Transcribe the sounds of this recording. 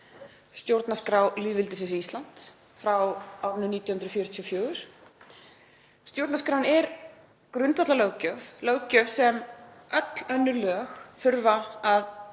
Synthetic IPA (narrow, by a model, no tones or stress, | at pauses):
st̪jowɾt̪naskɾawliːðvɪlt̪ɪsɪnsiːst̪lan̥t̪ | fɾawawɾnʏniːt̪jɔhʏnd̪ɾðfjœːɾʏt̪ʰiɔfjœːɣʏɾ̥ | st̪jowɾt̪naskɾawnɛɾ | kɾʏnt̪vɔt̪lalœwcœvlœwcœvsɛmœt̪l̥œnːʏɾlœːxθʏɾvaað